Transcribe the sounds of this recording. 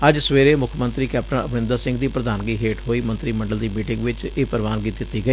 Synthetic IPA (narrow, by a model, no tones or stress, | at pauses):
əd͡ʒsʋeːɾeːmʊkʰmə̃nt̪ɾiːkɛːpʈənəpnɪ̃nd̪əɾsɪ̃ŋɡd̪iːpɾəd̪aːnɡiːɦeːʈɦoːiːmə̃nt̪ɾiːmə̃ɳɖəld̪iːmiːʈɪ̃ŋɡʋɪt͡ʃeːpəɾʋaːnɡiːt̪d̪ɪt̪ːiːɡəeː